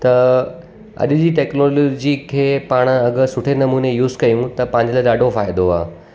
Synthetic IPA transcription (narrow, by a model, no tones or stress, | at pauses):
t̪ɐ | ɐ̰ʄ̆d͡ʑiːʈeːknoːloːd͡ʑikʰeːpaːɽ̃ɐɠsʊʈʰenɐmuːnejuːzkɐjũt̪ɐpɐ̃ɦɪ̃ɲ̆d͡ʑlaɗaːɖʱofaːɪd̪oa̰ː